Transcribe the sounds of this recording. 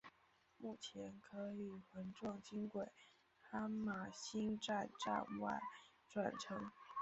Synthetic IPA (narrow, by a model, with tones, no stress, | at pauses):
mu˥˩t͡ɕʰjɛ˧˥nkʰɤ˧˥i˨˩xə˧˥nʈ͡ʂwɑ˥˩ŋt͡ɕi˥ŋkwe˨˩˦ɪ | ha˥ma˨˩ɕi˥nʈ͡ʂa˥˧nʈ͡ʂa̰˥˧nwa̰˥˩ɪ | ʈ͡ʂwa˨˩nʈ͡ʂʰɤ˧˥ŋ